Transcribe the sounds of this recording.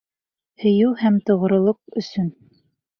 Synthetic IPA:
hɵ̆jɘwhæmt̪ŏʁŏɾŏlˠoq̚ɵ̆sɵn

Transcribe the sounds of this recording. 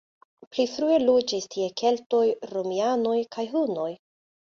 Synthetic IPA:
plifɾue̞lod͡ʒistʰie̞kʰe̞lto̞jɾomianojkʰajɦuno̞j

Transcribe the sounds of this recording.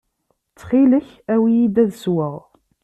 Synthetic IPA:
t͡sːχiləç | æwijid̪æðswəʁ

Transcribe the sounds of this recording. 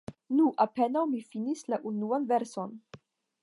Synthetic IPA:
nuʔape̞nawmifinislaʔunuanve̞ɾso̞n

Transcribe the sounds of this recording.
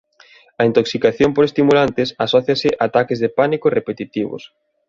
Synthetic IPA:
ɐint̪oksikaθjompoɾest̪imulant̪ɪsasɔθjasɪʔaːt̪akezðepanikorepet̪it̪iβo̰s

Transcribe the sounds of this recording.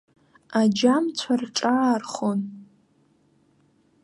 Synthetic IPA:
ad͡ʒamt͡sʷʰarʈ͡ʂʼaːrχon

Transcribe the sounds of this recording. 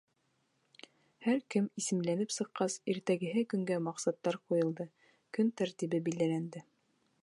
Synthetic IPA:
hæɾkɘmisɘ̆mlænɘpsɤ̆qːɑsiɾt̪æɡɘ̆ɦɘkɵ̆ŋɡæmɑqsɑt̪ːɑɾqujɤ̆lˠd̪ɤ | kɵnt̪æɾt̪iβɘbild̪ælænd̪ɘ

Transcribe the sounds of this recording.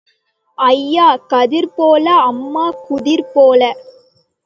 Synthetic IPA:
ʔɐjːaːkɐðɪɾpoːlɐɐmːaːkʊðɪɾpoːlɐ

